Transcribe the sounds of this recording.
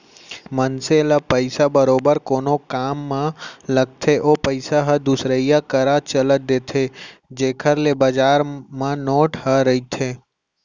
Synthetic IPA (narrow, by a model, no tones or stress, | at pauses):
mənselapəɪsabəɾoːbəɾkoːnokaːmːãləɡ̚t̪ʰeʔoːpəɪsaɦəd̪usɾəɪjakəɾat͡ʃələd̪eːt̪ʰed͡ʒeːkʰəɾlebəd͡ʒaːɾmãnoːʈɦəɾəit̪ʰeː